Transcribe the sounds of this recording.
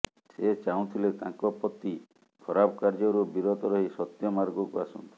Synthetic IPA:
set͡ʃaũt̪ʰilet̪ãŋkɔpɔt̪ːi | kʰɔɾabɔkaɾd͡ʒɔɾubiɾɔt̪ɔɾɔɦisɔt̪jɔmaɾɡɔkuasɔnt̪ɔ̥

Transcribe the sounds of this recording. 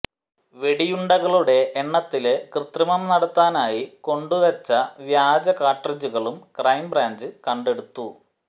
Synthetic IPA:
ʋe̞ɽijuɳɖɐɣɐɭuɽe̞ʔeɳːɐt̪ːilekrɨt̪rɐmɐmnɐɽɐt̪ːaːnaːjiko̞ɳɖuʋɐt͡ɕːɐʋjaːd͡ʑɐkaːʈrɐd͡ʑuɣɐɭumkrɐjmbraːɲd͡ʑɨkɐɳɖe̞ɽut̪ːu

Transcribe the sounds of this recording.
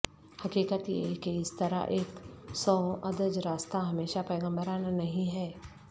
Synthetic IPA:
hɐkiːkət̪jḛkeɪst̪ɐɾa̰ʔeːksɔːʔɐd̪əd͡ʒɾaːst̪aɦɐmeːʃapɐːɡə̃mbəɾaːnanɐɦĩɦɛː

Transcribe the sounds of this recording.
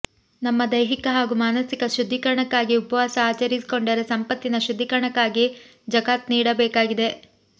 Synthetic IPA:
nɐmːɐd̪ɐjɦikɐɦaːɡumaːnɐsikɐʃud̪ʱːikɐɾɐɳɐkːaːɡiupɐʋaːsɐaːt͡ʃɐɾisi̥ko̞ɳɖɐɾesɐmpɐt̪ːinɐʃud̪ʱːikɐɾɐɳɐkːaːɡi | d͡ʒɐɡaːt̪niːɽɐbɛːkaːɡid̪e̞

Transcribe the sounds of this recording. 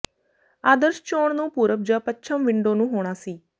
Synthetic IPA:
aːd̪əɾʃt͡ʃoːɳnũːpuːɾəp̚d͡ʒəpət͡ʃʰəmʋɪɳɖõːnũːɦoːɽ̃aːsiː

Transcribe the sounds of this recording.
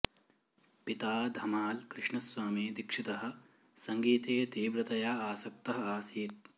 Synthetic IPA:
pit̪aːd̪ʱɐmaːlkɾɪʂɳɐswaːmiːd̪ikʂit̪ɐɦɐ̆ | sɐŋɡiːt̪eːt̪iːʋɾɐt̪ɐjaaːsɐk̚t̪ɐɦɐ̆aːsiːt̪̚

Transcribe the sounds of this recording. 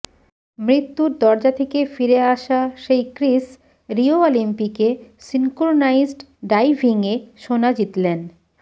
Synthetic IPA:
mɾit̪ːuɾd̪ɔɾd͡ʑat̪ʰekefiɾeaʃaʃejkɾis | ɾioolimpikesiŋkoɾonaizɖɖajbʱiŋeʃonad͡ʑit̪len

